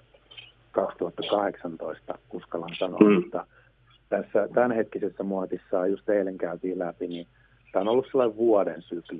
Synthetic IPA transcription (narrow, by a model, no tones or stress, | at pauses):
kɑkst̪uhɑt̪ːɑkɑheksɑnt̪oist̪ɑ̰uskɑlːɑnsɑno̰ut̪ːɑ | t̪æsːæt̪ænhet̪kisesːæmuɑt̪isːɑːjjust̪eileŋkæyt̪iːlæpini | sit̪æonolːusselːɑiʋʋuɑdensykli